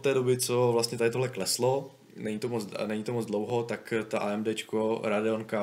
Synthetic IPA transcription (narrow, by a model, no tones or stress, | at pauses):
ot̪ːɛːdobɪt͡sovlast̪ɲɛt̪adɪt̪oɦlɛklɛslo | nɛɲit̪omot͡snɛɲit̪omo̞d͡zdlowɦo̞t̪akt̪aʔaɛmdɛːt͡ʃkoɾadɪonka